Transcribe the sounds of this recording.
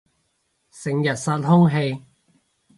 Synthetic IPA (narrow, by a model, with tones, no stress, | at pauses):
sɪ˨˩ŋjɐ˨t̚saː˧t̚hʊ˥ŋɦe˧j